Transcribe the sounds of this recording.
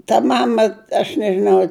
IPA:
tɐ ˈmɑːmɐ ɐʃ nʲɛʒʲɪˈnɐʊ

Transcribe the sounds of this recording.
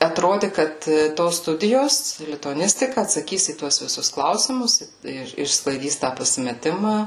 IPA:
ɐtroːdʲɪ ˈkɐt ˈtoːs ˈstʊdʲɪjoːs lʲɪtʊɐˈnʲɪsʲtʲɪkɐ ɐtsɐˈkʲiːs iː ˈtuɔs ʋʲɪˈsʊs ˈklˠɐʊsʲɪmʊs ɪr ɪʃsklˠɐɪˈdʲiːs tɑː pɐsʲɪmʲɛˈtʲɪmɑː

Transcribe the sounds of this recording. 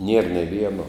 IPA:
nʲiɛr nʲeː ˈʋʲiɛnoː

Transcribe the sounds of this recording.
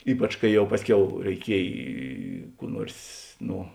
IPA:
ˈiːpɐt͡ʃ kɐɪ ˈjɛʊ ˈpɑːsʲˌkʲɛʊ rʲɛɪˈkʲiɛj ˈkuː ˈnuɔrs ˈnoː

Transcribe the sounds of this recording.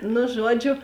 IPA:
nʊ ˈʒuɔˌd͡ʒʲʊ

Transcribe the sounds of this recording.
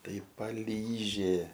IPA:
ˈtɐɪ pɐˈlʲiːʒʲeː

